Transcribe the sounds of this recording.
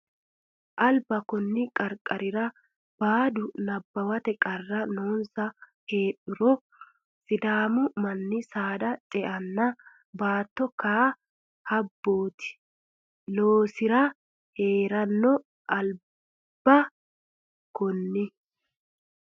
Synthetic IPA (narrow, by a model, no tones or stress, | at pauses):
ʔɐlbɐkɔnːɪkʼɐɾkʼːɐɾɪɾɐ | b̥aːd̪ʊnɐbːɐwɐt̪ɛkʼɐrːɐnoːnsɐ | he̞ːɗʊɾɔ | sɪd̪aːmʊmɐnːɪsaːd̪ɐtʼɛʔɐnːɐ | baːt̪ːɔkaː | hɐbːoːt̪ɪ̥ | loːsɪɾɐ | heːɾɐnːɔ | ʔɐl | b̥ɐ | kɔnːɪ